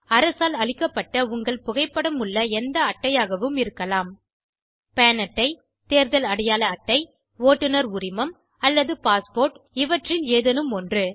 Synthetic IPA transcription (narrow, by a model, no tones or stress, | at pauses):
ɐɾɐsaːlɐɭɪkːɐpːɐʈːɐʊŋɡɐɭpʊɣɐɪpːɐɽɐmɯɭːɐɛnd̪ɐːʈːɐjaːɣɐʋɯmɪɾɯkːɐlaːm | peːnɐʈːɐɪ | t̪eːɾðɐlɐɽɐjaːlɐːʈːɐɪ | ʋoːʈːɯnɐɾʊɾɪmɐm | ɐlːɐðɯpaːspoːɾʈɪʋɐʈrɪneːðɐnɯmɔndrɯ